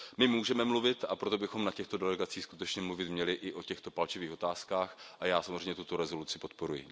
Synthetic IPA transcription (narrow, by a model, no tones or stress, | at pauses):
mɪmuːʒɛmɛmluvɪt̪ʔapɾo̞t̪̬obɪxo̞mnacɛxt̪o̞dɛlɛɡat͡siːxskut̪ɛt͡ʃɲɛmluvɪt̪mɲɛlɪʔɪʔo̞cɛxt̪o̞palt͡ʃɪviːxo̞t̪aːskaːxʔajaːsamozrejmɲɛt̪ut̪o̞ɾɛzo̞lut͡sɪpo̞t̪po̞ɾujɪ̰